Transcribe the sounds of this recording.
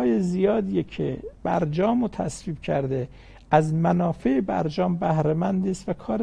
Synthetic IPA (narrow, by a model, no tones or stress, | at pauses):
jezijɒːd̪iːjecʰeb̥æ̰ɾd͡ʒɒːmot̪ʰæ̰sviːb̥cʰæɾd̪e | æzmænɒːfeebæ̰ɾd͡ʒɒːmbæhɾemænd̪iːst̪vækʰɒːɾ